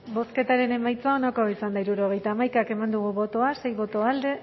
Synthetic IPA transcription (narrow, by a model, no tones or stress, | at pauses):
bo̞ske̞t̪aɾe̞ne̞majt͡saonakoisand̪aiɾuɾoɣ̞e̞jt̪aːmajkake̞mand̪uɣuβo̞t̪o̞ase̞jβo̞t̪o̞ald̪e̞